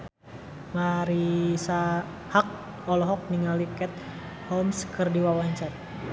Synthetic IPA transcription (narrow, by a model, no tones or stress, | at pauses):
maɾisa | hak̚ | ɔlɔɦɔk̚niŋalikɛt̪̚ | hɔmskɨrdiwawaɲt͡ʃar